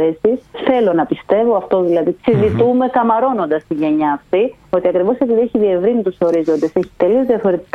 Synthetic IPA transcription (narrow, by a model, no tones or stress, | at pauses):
esisθe̞lo̞nɐpist̪e̞vo̞ɐft̪o̞ðilɐðiksiðit̪ume̞kɐmɐɾo̞no̞nd̪ɐst̪iʝe̞ɲɐːft̪i | o̞t̪iɐkɾivo̞sepiðieçiðie̞vɾinit̪uso̞ɾizo̞nd̪e̞se̞çi̥t̪e̞lio̞zðiɐfo̞ɾe̞t̪i̥k